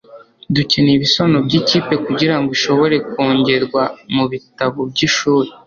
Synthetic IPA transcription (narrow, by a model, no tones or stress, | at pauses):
duceniβisonobɟiciːpe̞kuɟiɾaŋɡoiʃo̞βo̞ɾe̞koːɲɟe̞ɾɡwamuβitaβob̚ɟiʃuːɾe